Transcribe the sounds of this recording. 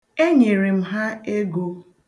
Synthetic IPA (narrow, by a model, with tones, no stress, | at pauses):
e˦ɲe˨ɾi˨m̩˦ɦa˦e˦ɡo˦